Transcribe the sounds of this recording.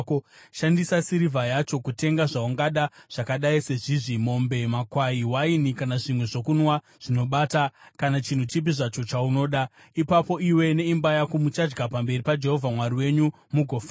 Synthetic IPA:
koʃandisasiɾivʱajat͡ʃo̞kute̞ŋɡaʐauŋɡaɗaʐ̥akaɗaise̞ʐiʐimo̞mbe̞makwaiwainikanaʐimwe̞ʐo̞kunwa | ʐ̥ino̞ɓaːtakanat͡ʃin̤ut͡ʃip̬iʐat͡ʃo̞t͡ʃauno̞ːɗa | ipapo̞iwe̞ne̞imbajakumut͡ʃad͡ʒɡapambe̞ripad͡ʒe̞ɦo̞vʱamwariwe̞ɲu | muɡʱo̞fa

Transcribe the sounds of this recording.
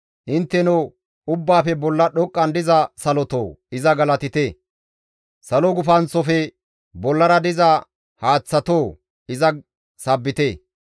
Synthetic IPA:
ʔɪnt̪ːɛnɔ | ʊbːaːfɛbɔlːɐɗɔkʼːɐnd̪ɪzɐsɐlɔt̪o̰ːɪzɐɡɐlɐt̪ɪt̪e | sɐlɔɡʊfɐnt͡sːɔfɛ | bɔlːɐɾɐd̪ɪzɐ | haːt͡sːɐt̪oː | ɪzɐ | sɐbːɪt̪eː

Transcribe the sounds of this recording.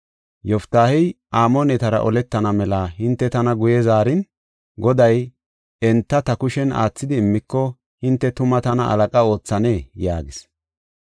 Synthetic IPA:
jɔft̪ːaːhɛjʔaːmɔnɛt̪ɐɾɐ̰ʔɔlɛt̪ːɐnɐmɛlaɦɪnt̪ːɛt̪ɐnɐɡʊjɛzaːɾɪn | ɡɔd̪ɐj | ɛnt̪ːɐt̪ɐkʊʃɛnʔa̰ːt͡sːɪd̪ɪːmːɪkːɔ | hɪnt̪ːɛt̪ʊmɐt̪ɐnɐʔɐ̰lɐkʼɐo̞ːt͡sːɐneːjaːɡɪs

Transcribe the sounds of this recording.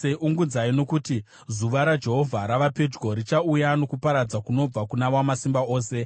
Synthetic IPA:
eʔuŋɡud͡zaino̞kuti | zuʋaɾad͡ʒe̞ɦo̞vʱaɾaʋape̞d͡ʒɡo̞ɾit͡ʃaujano̞kupaɾad͡zakuno̞b͡vakunaʋwamasimbao̞ːse̞

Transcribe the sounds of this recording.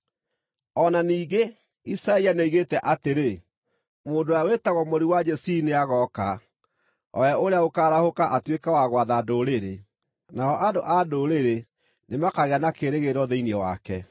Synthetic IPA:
ɔnaniːɡe | isaianeiɣetɛʔateɾe | moːndoawetaɣɔmoɾiwad͡ʒɛsineaɣɔka | ɔ̰aoɾeaokaːɾahokaʔatwekawaɣwaðadoːɾeɾe | naɔʔadoʔadoɾeɾe | nemakaɣeanakeɾeɣeɾɔðeiniɔwa̰kɛ

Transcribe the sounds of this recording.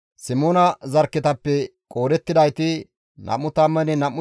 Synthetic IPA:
sɪmoːnɐzɐɾkːɪt̪ɐpːɛkʼo̞ːɾɛt̪ːɪd̪ɐjt̪ɪ | nɐ̰mːʊt̪ɐmːɐnɛnɐmːʊ

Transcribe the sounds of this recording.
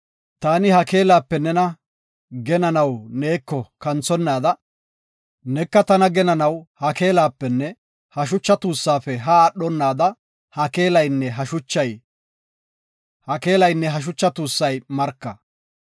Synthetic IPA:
t̪aːnɪhɐke̞ːlaːpːɛnɛnɐ | ɡɛnɐnɐwne̞ːkːɔkɐnt͡sːɔnːaːd̪ɐ | nɛkːɐt̪ɐnɐɡɛnɐnɐwhɐke̞ːlaːpːɛnːɛ | hɐʃ̬ʊt͡ʃːɐt̪uːsːaːpɛɦɐːɗɔnːaːd̪ɐ | hɐke̞ːlɐjnːɛɦɐʃʊt͡ʃːɐj | hɐke̞ːlɐjnːɛɦɐʃ̬ʊt͡ʃːɐt̪uːsːɐjmɐɾkːɐ

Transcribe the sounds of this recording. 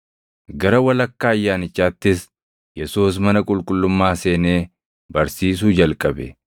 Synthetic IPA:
ɡɐɾɐwɐlɐkːaːjːaːnɪt͡ʃːaːt̪ːɪs | jɛsuːs̬mɐnɐkʼʊlkʼʊlːʊmːaːse̞ːneː | bɐɾsiːs̬uːd͡ʒɐlkʼɐbɛ̰

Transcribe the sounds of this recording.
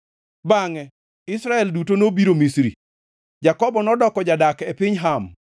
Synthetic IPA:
baŋɛ | ɪsɾaɛldutonobiɾomisɾḭ | d͡ʒakɔbɔnɔdɔkɔd͡ʒadakepɪɲɦam

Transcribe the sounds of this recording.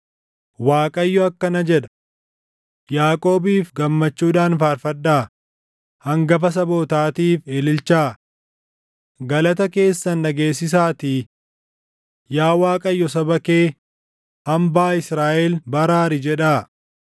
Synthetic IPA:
waːkʼɐjːɔɐkːɐnɐd͡ʒɛᶑɐ̥ | jaːkʼo̞ːbiːfɡɐmːɐt͡ʃːuːᶑaːnfaːɾfɐd̪ːaː | hɐŋɡɐfɐs̬ɐbo̞ːt̪aːt̪iːfeːlɪlt͡ʃaː | ɡɐlɐt̪ɐke̞ːsːɐnːɐɡe̞ːsːɪs̬aːt̪iː | jaːwaːkʼɐjːɔsɐbɐke̞ː | ɐmbaːɪsɾaːʔɛlbɐɾaːɾɪd͡ʒɛᶑaː

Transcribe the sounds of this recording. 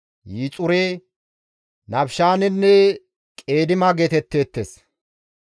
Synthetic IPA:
jiːt͡sʼʊɾe | nɐbʃaːnɪnːɛ | kʼe̞ːd̪ɪmɐɡet̪ɛt̪ːeːt̪ːes

